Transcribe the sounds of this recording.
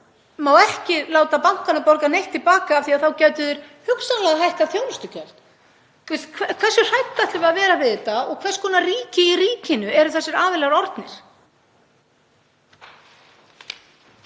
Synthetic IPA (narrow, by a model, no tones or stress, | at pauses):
maːwɛhcɪlaːwt̪apawŋ̥kanapɔɾkanejht̪ːɪlpaːkaːvθiaθawcaːɥt̪ʏðɪɾ̥hʏksalɛɣaɦajhk̪aθjoːwlʏst̪ʏcʰɛl̥t̪ | t̪ʰvɛst̪kʰɛkʰvɛɾ̥sʏr̥ajt̪ːat̪lʏvaðvɛːɾavɪðɪt̪aɔɣkʰvɛrskʰɔːnariːcɪiriːcɪnʏʔɛɾʏθɛsːɛɾaːvɪlɛɣɾɔɾt̪nɪɾ̥